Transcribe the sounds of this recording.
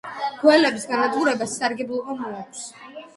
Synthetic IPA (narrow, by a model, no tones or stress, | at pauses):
ɡ̥wɛlɛbisɡanad̪ɡuɾɛbasːaɾɡɛbulˠɔmɔakʰs